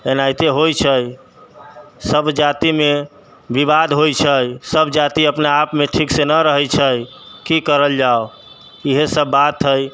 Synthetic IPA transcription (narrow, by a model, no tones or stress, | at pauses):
enajt̪eɦojt͡ʃʰəj | səbʱd͡ʒat̪ime | bibad̪ʱɦojt͡ʃʰəjsəbʱd͡ʒat̪iəpnaːpmeʈʰiksenəɾəɦəjt͡ʃʰəj | kikəɾəld͡ʒao | iɦesəbːat̪ɦəj